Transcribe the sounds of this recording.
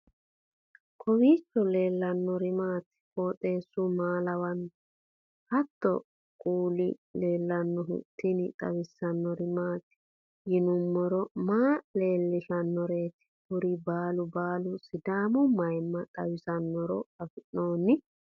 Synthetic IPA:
kʰɔwiːt͡ʃːɔle̞ːlːɐnːɔɾɪmaːt̪ | foːt̪ʼe̞ːsːʊmaːlɐwɐn | hɐt̪ːɔ̰ | kʼuːlɪle̞ːlːɐnːɔɦʊ̰t̪ːɪnɪt̪ʼɐ̰wɪsːɐnːɔɾɪmaːt̪ | jɪnʊmːɔɾɔmaːle̞ːlːɪʃɐnːɔɾeːt̪ɪ̥hʊɾɪbaːlʊbaːlʊsɪd̪aːmʊmɐjmːɐt̪ʼɐwɪsɐnːɔɾɔkɐfɪnːoːnːɪ

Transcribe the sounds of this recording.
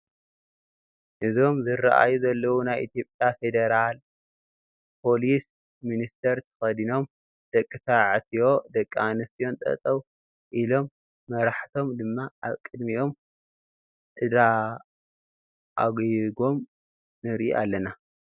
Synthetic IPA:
ʔɨzo̞mzɨraʔa̰juzɐlːɐwunajʔit̪ʰijo̞pʼjafe̞d̪eɾal | pʰo̞lis | minist̪ʰɐɾt̪ʰɐ̥xɐd̪ino̞m | d̪̥ɐkʼːɨtaʕt̪ʰijo̞d̪ɐkʼːanɐst̪ʰijo̞nt̪ʼɐ̰t̪ʼɐw | ʔilo̞mː | ɐɾaħt̪ʰo̞md̪ɨmːaʔaβkʼɨd̪miʔo̞m | ʔɨd̪a | ʔaɡjɡo̞m | nɨɾʔḭʔalːɐna

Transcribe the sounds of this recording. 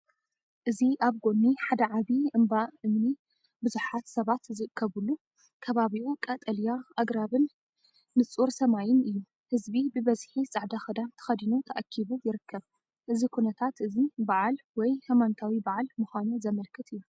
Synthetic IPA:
ʔɨziʔaβɡo̞nːiħad̪ɐʕaβiʔɨmbaʔɨmni | bɨzuħat̪sɐβat̪zɨʔɨkʰːɐβulːu | kʰɐβaβiʔukʼɐt̪ʼɐljaʔaɡɾaβɨnː | ɨt͡sʼuɾsɐmajɪnɨjːu | hɨzbibɨβɐzħisʼɐʕd̪axɨd̪ant̪ʰɐ̥xɐd̪inut̪ʰɐʔakʰːiβujɪɾɨkʰːɐβ | ʔɨzikʰunɐt̪ʰat̪ʔɨzibaʕalwɔjhamant̪ʰawibaʕalmɨxʷanuzɐmɐlkʰɨt̪ɨjːu

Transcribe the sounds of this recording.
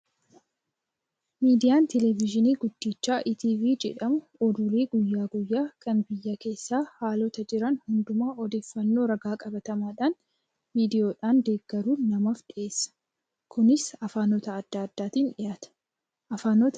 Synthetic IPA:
miːd̪ɪjaːnt̪ɛlɛvɪd͡ʒɪniːɡʊd̪ːiːt͡ʃːaːʔit̪iːviːd͡ʒɛ̰ᶑɐmʊ | ɔd̪ʊɾeːɡʊjːaːɡʊjːaːkɐnbɪjːɐke̞ːsːaːhaːlɔt̪ɐd͡ʒɪɾɐnhʊnd̪ʊmaːɔd̪e̞ːfːɐnːo̞ːɾɐɡaːkʼɐbɐt̪ɐmaːᶑaːn | miːd̪ɪjo̞ːᶑaːnd̪e̞ːɡːɐɾuːnɐmafᶑɪʔe̞ːsːɐ̥ | kʊnɪsɐfaːnɔt̪ɐːd̪ːɐɐd̪ːaːt̪iːnᶑɪjaːt̪ɐ̥ | ʔɐfaːnɔt̪

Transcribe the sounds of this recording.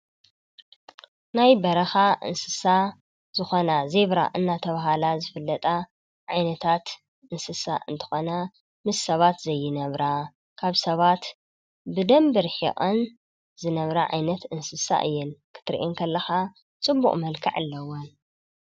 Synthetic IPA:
najbɐɾɐxaʔɨ̰nsɨsa | zɨxonazeβɾa̰ʔɨnːat̪ʰɐβaɦalazɨfɨlːɐt̪ʼa | ʕajnɐt̪ʰat̪ | ʔɨnsɨsa̰ʔɨnt̪ʰɨ̥xo̞na | mɨsːɐβat̪zɐjːɪnɐβɾa | kʰaβsɐβat̪ | bɨd̪ɐmbɨɾħḭʔʼɐn | zɨnɐβɾaʕa̰jnɐt̪ɨnsɨsa̰ʔɨ̰jːɪnkʰɨ̥t̪ʰɾḭʔiŋkʰɐlːɐxa | t͡sʼɨbːṵχʼmɐlkʰḭʕalːɐwon

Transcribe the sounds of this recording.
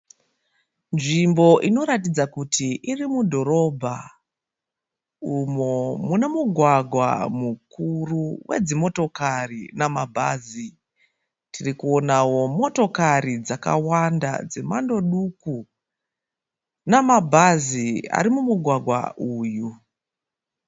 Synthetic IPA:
nʐimbo̞ʔino̞ɾatid͡zakutʰiʔirimudʱo̞ɾo̞bʱa | umomune̞muɡʱwaɡʱwa̰mukuruwʔe̞̰d͡zimo̞to̞karinamabʱa̰zi | tirikuo̞nawo̞mo̞to̞kaɾid͡zaka̰wanda̰d͡ze̞mando̞ɗuku | namabʱazia̰ɾimumuɡʱwaɡʱwa̰uːju

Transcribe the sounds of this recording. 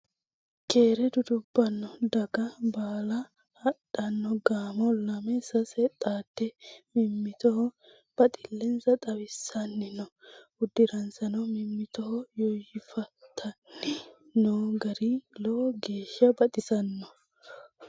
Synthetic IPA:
keːɾɛd̪ʊd̪ʊbːɐnːɔd̪ɐɡɐbaːlɐ | hɐɗɐnːɔɡaːmɔlɐmɛsɐsɛt̪ʼaːt̪ːɛmɪmːɪt̪ɔhɔ | b̥ɐt̪ʼɪlːɛnzɐt̪ʼɐwɪsːɐnːɪnɔʊd̪ːɪɾɐnsɐnɔmɪmːɪt̪ɔhɔjɔjɪfɐt̪ʰːɐnɪ | noːɡɐɾɪlɔɡe̞ːʃːɐbɐt̪ʼɪsɐnːɔ

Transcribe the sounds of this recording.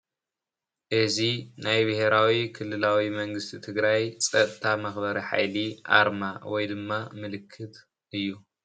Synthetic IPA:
ʔɨzinajbɨheɾawikʰɨlːɨlawimɐŋɡɨst̪ʰit̪ʰɨɡɾajt͡sʼɐt̪ʼt̪ʰamɐxbɐɾiħa̰jliʔa̰ɾmawɔjd̪ɨmːamɨlɨkʰːɨt̪ | ʔɨjːu

